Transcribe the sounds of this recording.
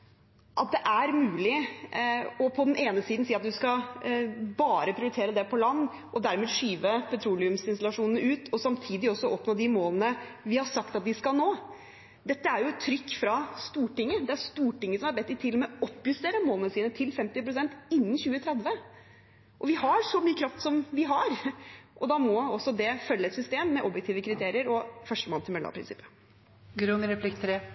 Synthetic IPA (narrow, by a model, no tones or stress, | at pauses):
ʔɑt̪̚d̪ɛʔæɾmʉːlɪ | ɔpʰɔd̪ɛnʔeːnəsiːd̪n̩siːɑt̪̚d̪ʉskɑ | bɑːɾəpʰɾɪʊɾɪt̪ʰeːɾəd̪ɛpʰɔlɑnː | ʔɔd̪æɾmɛːʂyːʋəpʰɛt̪ʰɾuːlɪʉmsɪnst̪ɑlɑʂuːnn̩əʉːt̪ʰɔsɑmt̪ʰiːd̪ɪɔsːɔʔɔpnoːd̪ɪmoːlənəʋɪhɑʂɑkt̪ɑt̪̚d̪ɪskɑlnoː | d̪ɛt̪ːəæɾjʊɛt̪ʰːɾʏkːfɾɑst̪uːʈɪŋːəd̪ɛæɾʂt̪uːʈɪŋːəsɔmɑɾbɛt̪ːɪt̪ʰɪlːɔmɛɔpːjʉst̪eːɾəmoːlnəsiːnət̪ʰɪlfɛmt̪ɪpɾʊsɛnt̪ɪnːənçʉːət̪ʰɾɛd̪ʋə | ʔɔʋɪhɑɾʂɔmyːəkʰɾɑft̪sɔmʋɪɦɑɾʔɔd̪ɑmɔɔsːɔd̪ɛfœlːəɛt̪sʏst̪eːmːɛʔɔbjɛkt̪iːʋəkʰɾɪt̪ʰeːɾɪəɾɔfœʂʈəmoːnt̪ɪlmɛlɑ̰pʰɾɪ̰nsɪpːə̥ | ɡɾʉnɾɛpʰlɪkt̪ʰɾeː